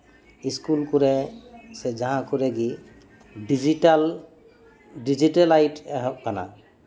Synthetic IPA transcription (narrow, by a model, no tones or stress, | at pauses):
iskulkuɹɛsɛzãɦãkʰʊɹɛɡi | dizital | did͡ʒitalajtɛɦɔk̚kana̰